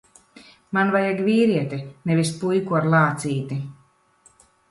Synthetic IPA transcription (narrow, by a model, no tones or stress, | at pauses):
manvajaɡviːɾiɛt̪inɛvispujkuaɾlˠaːt̪siːt̪i